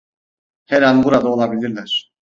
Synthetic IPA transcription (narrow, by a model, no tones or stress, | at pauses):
heɾænbuɾad̪aolˠabilʲiɾlʲæɾ̥